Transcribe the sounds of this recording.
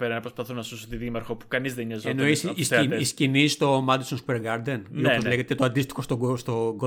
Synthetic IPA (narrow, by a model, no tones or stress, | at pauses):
peɾɐnɐpɾospɐθunɐsusot̪iðimɐɾxopu̥kɐnizðeniɲɐzenoisisiscinist̪o̞mɐd̪isonsupeɾɡɐɾd̪eniopozleɣet̪et̪oɐnd̪ist̪i̥xo̞st̪oɡost̪oɡo